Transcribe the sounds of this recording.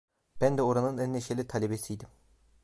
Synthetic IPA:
b̥ænd̪ɛoɾɑnɯnɛnːeʃelʲit̪ʰɑlʲebesijd̪im

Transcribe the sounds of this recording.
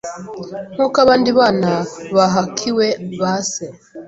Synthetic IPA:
m̥ukaβandiβanaβaɦakʰiweβase

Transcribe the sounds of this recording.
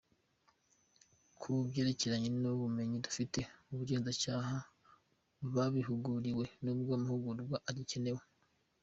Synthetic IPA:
kʰubjeɾeceɾaɲenuβume̞ɲidu̥fite̞uβuɟe̞ːnzat͡ʃaːha | βaβiɦuɡuɾiwe̞nubɡaːmuhuɡuɾuɡwaʔaɾice̞ne̞we

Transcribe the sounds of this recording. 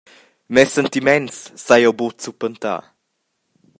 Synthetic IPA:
mɛsɛnt̪imɛnssajowbot̪supənt̪a̰

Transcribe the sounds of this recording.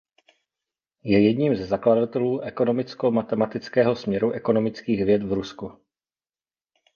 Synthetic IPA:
jɛjɛdɲiːmzɛzakladat̪ɛluːʔɛko̞no̞mɪt͡skomat̪ɛmat̪ɪt͡skɛːɦo̞smɲɛɾuʔɛko̞no̞mɪt͡skiːɣvjɛt̪vɾusku

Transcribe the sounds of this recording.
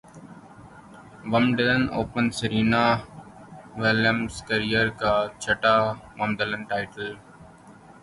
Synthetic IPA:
ʋəmɖɪləno̰ːpənsəɾiːnaː | ʋɪljəmskəɾijəɾkaːt͡ʃʰəʈaːmɐ̃md̪ələ̃nʈaːɪʈəl

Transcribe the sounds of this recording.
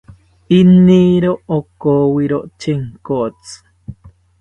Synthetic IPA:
iniɾookowiɾoʔt͡ʃeŋkot͡sɨ̥

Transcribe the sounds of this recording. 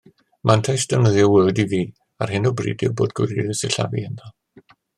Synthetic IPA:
mʔantʰajsd̥ənəðjɔwɛldiviː | arɦɪnɔbrḭːdɪ̰wbo̰ːdɡ̥wɪ̰ɾiðɪsɪɬa̰vḭənðɔ

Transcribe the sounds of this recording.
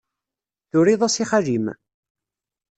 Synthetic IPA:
θʊɾiðˤasiχaʒim

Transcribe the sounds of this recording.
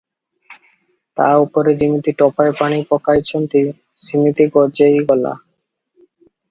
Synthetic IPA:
t̪a̰upoɾed͡ʑimit̪iʈɔpaepanipɔkajt͡ɕʰont̪i | simit̪iɡɔd͡ʑejɡɔla̰

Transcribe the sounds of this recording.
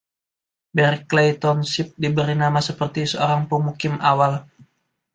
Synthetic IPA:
bɛrklejt̪ɔnsip̚dibəɾinamasəpərt̪isəoɾaŋpəmukɪmʔawal

